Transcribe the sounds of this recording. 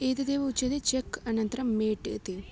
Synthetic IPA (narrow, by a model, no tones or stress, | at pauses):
eːt̪ɐd̪eːʋɐut͡ʃːɐd̪et͡ʃekːɐnɐnt̪ɐɾɐmmeːʈt̪e